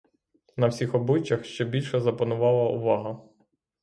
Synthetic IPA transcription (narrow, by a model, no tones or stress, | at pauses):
nɐwsʲixɔblˠɪt͡ʃɐxʃt͡ʃɛbʲilʲʃɛzɐpɐnʊʋɑlˠɐʊ̰ʋɑɦɐ